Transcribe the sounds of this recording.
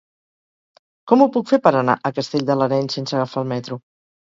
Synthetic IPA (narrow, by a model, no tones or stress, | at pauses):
kɔmupukfepəɾəna̰ʔəkəst̪eʎd̪ələɾɛɲsensəɣəfaːlˠmɛt̪ɾu